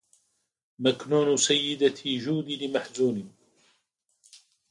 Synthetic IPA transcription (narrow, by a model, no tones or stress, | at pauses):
maknuːnusajːɪd̪at̪ʰiʒuːd̪ilimaħzuːnin